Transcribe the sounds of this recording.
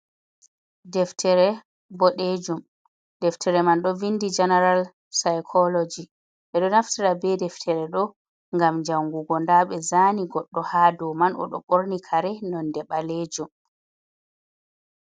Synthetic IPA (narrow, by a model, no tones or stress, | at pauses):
dɛftʰɛɾɛ | bɔɗed͡ʒum | dɛftʰɛɾɛmanɗɔvindid͡ʒɛnɛɾal | sajkʰɔlɔd͡ʒi | ɓɛɗɔnaftiɾabɛdɛftʰɛɾɛɗɔ | ŋɡamd͡ʒawŋɡuɡɔndaɓɛzaniɡɔɗːɔhaːdɔmanɔ̰ɗɔɓoɾnikʰaɾɛnɔndɛɓaled͡ʒum